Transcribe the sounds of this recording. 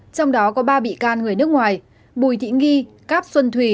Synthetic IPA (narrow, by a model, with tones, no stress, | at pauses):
t͡ɕɔ˧wŋ͡mɗɔ˨˦kɔ˨˦ɓaː˧ɓḭ˧˨kaː˧nŋɨ˨˩əjn˦˥ək̚ŋwaː˨˩j | ɓu˨˩jt̪ʰḭ˧˨˥ɣi˧ | kaː˦˥p̚swə˧nt̪ʰwi˧˩